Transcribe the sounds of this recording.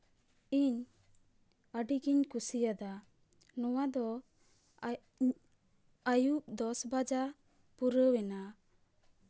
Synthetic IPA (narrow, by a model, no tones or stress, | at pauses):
iɲ | əɖiɡiɲkusijad̪a | nɔwad̪ɔ | əjuʔ̚d̪ɔsbad͡ʒa | puɾəwɛna